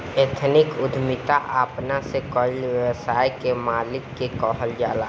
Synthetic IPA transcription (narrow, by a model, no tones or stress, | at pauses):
et̪ʰnɪkʊd̪ʱmɪt̪aʔaːpnasekɔlʋjəwsaːjkemaːlɪkːekɔɦəld͡ʒa̰ːla